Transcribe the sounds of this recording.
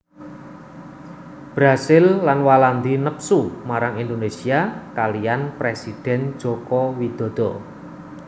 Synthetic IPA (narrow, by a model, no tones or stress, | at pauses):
b̥ɾasɪlːanwaland̪inəpsumaɾaŋind̪onesiakalijanpɾesid̪̥ɛ̤n̥d͡ʒ̥ɔ̤kɔwid̪̥ɔ̤d̪̥ɔ̤